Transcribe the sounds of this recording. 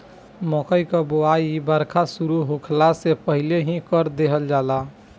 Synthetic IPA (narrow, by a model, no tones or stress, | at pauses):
mɔkəjkəboaibəɾkʰasuɾuɦukʰlasepəɦileɦĩkəɾd̪eɦəld͡ʒaːla